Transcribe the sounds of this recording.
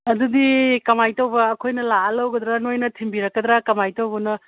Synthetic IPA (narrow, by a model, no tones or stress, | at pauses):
ɐdudikɐmajtɐwbɐːkʰojnɐlaɐlɐwɡɐd̪ɾanojnɐtʰimbiɾɐkːɐd̪ɾakɐmajtɐwbɐnɐ